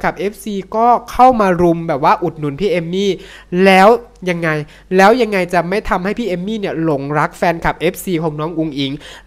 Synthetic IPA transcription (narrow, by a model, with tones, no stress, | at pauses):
kʰa˨˩p̚ʔe˦˥p̚siː˧kɔː˥˩kʰa˥˩wmaː˧ɾu˧mbɛː˨˩p̚waː˥˩ʔu˨˩t̪̚nu˨˩˦npʰiː˥˩ʔe˧mːiː˥˩ | lɛː˦˥wja˧ŋːa˧j | lɛː˦˥wja˧ŋːa˧jt͡ɕa˨˩ma˥˩jt̪ʰa˧mha˥˩jpʰiː˥˩ʔe˧mːiː˥˩ni˥˩ɐlo˨˩˦ŋɾa˦˥k̚fɛː˧nkʰa˨˩p̚ʔeː˦˥p̚siː˧kʰɔː˧ŋnɔː˦˥ŋʔu˧ŋʔi˨˩˦ŋ